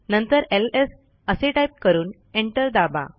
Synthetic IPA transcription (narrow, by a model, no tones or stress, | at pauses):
nənt̪əɾeles | əseʈajp̚kəɾuːn | eɳʈəɾd̪aba̰